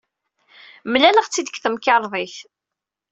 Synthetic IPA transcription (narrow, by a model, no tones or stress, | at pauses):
mlæləʁt͡sːid̪əkθəmkɑɾˤðˤiθ